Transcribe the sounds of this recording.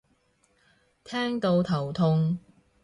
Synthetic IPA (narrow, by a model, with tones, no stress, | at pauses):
t̪ʰɛː˥ŋt̪o˧wt̪ʰɐ˨˩wt̪ʰʊ˧ŋ